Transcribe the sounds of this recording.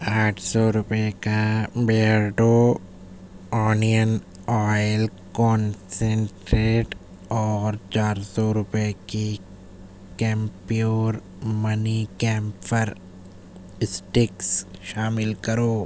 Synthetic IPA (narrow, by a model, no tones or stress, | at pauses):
aːʈʰsɔɾʊpekabeːəɾɖoː | ɔːnijən | ɔːjɪl | kɔ̃ːnsẽɳʈɾeːʈ | ɔːɾt͡ʃaːɾsɔɾʊpeki | kɛ̃ːmpioːɾ | mɐnikɛ̃ːmppəɾ | sʈɪksʃaːmɪlkɐɾoː